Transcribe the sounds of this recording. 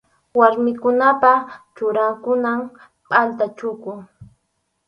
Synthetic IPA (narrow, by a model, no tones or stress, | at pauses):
waɾmɪkʊnapat͡ʃʊɾaŋkʊnam | pʼalt̪at͡ʃʊkʊ